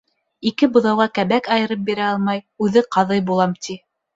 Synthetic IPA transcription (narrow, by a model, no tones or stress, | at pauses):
ikɘbŏðɑwʁɑkæβækɑjɤ̆ɾɤp̚biɾæɑlˠmɑjʉðɘqɑðɤjbulˠɑmt̪ʰi